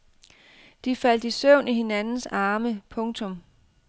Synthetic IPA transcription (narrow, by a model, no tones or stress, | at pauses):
d̥ifæl̰d̥isœʊ̰nihe̝nænn̩sɑ̈ːməpʰɔ̽ŋt͡sʰɔ̽m